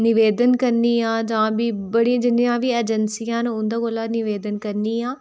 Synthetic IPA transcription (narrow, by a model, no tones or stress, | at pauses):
nɪʋeːd̪ənkəɾniːãːd͡ʒãːbʱiːbəɽiãːd͡ʒɪnijãːʋiːeːd͡ʒənsijãːnʊ̃nd̪aːkolaːnɪʋeːd̪ənkəɾniːãː